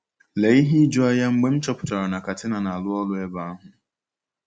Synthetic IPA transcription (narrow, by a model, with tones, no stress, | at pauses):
le˨˦i˦ɦi˦d͡ʒɔ˦a˦ja˦ŋ͡m̩˦ɡ͡be˦m̩˦t͡ʃɔ˦pʊ̥˨ta˨ɾa˨na˨ka˨tɪ˦na˨na˨a˨lʊ˦ɔ˦lʊ˦e˦ba˦a˦ɦʊ˨